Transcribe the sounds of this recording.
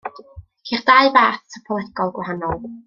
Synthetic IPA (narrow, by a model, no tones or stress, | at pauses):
kʰiχd̥aɨbaːθtʰəpʰɔlˠɛɡɔlˠɡwahanɔlˠ